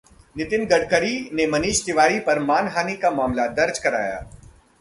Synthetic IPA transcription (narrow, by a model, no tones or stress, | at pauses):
nɪt̪ɪnɡɐɽkəɾinemɐniːʃt̪ɪʋaːɾipɐɾmaːnɦaːnikamaːmlad̪ɐɾd͡ʒkɐɾa̰ːja̰ː